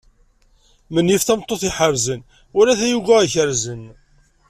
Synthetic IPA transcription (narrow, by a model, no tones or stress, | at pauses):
mənːifθæmt̪ˤːoθiħəɾzən | ʊɾæθæjuɡæiçəɾzən